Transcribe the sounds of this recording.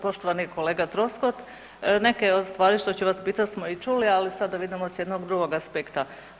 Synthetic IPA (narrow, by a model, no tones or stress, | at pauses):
po̞ʃt̪o̞ʋaniko̞leːɡat̪ɾo̞skot̪ | ne̞ke̞od̪st̪ʋaːɾiʃt̪ot͡ɕuʋaspiːt̪asmoit͡ʃulialisad̪aʋid̪imosjed̪noɡd̪ɾuɡoɡaspekt̪a